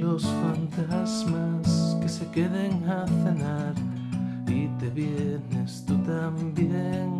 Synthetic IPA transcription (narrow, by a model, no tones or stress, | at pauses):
losfant̪azmaskesekeðeŋaθenaɾ | it̪eβjenest̪ut̪ambjeŋ